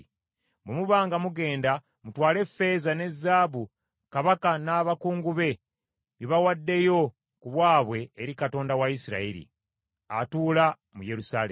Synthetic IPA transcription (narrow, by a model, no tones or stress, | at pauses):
bemuβaːŋɡamuɡe̞ːnda | mutwaːle̞fːe̞zane̞zːaːβu | kaβakanaːβakuːŋɡuβe̞ | βiβawadːe̞jo̞ | kuβwaːβwe̞ːɾikato̞ːndawajisiɾa̰iɾḭ | a̰tuːla | muje̞ɾusaːlḛ